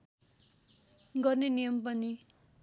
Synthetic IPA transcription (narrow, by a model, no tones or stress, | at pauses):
ɡʌrnenijʌmpʌni